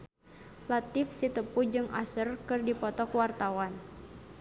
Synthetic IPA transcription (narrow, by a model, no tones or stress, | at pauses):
lat̪ɪfsit̪əpud͡ʒɨŋʔa̰sərkɨrdipɔt̪ɔkuwart̪awan